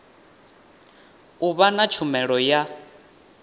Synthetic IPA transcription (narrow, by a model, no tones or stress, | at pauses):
uβanat͡ʃʰumɛɺɔja